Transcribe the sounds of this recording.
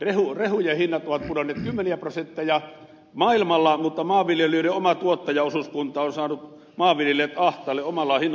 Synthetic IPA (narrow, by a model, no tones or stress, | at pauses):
rehurehujehinːɑt̪ʔoʋɑt̪̚pudɑnːˑeːt̪kymːeniæprosent̪ːæjɑ | mɑˑilmɑlːɑmut̪ːɑmɑːʋʋiljelyøleomɑt̪uot̪ːɑjɑosuskunt̪ˑɑonsɑːnut̪ | mɑːʋʋiljelet̪ɑht̪ˑɑːlːeʔʔomɑlːɑhinː